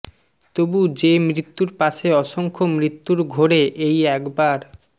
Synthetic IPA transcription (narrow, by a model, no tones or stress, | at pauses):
t̪obud͡ʑemɾit̪ːuɾpaʃeɔʃoŋkʰomɾit̪ːuɾɡʱoɾeʔejɛkbaɾ